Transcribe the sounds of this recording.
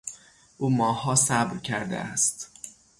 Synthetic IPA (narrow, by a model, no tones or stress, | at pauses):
ʔuːmɒːhɒːsæbɾcʰæɾd̪ḛæst̪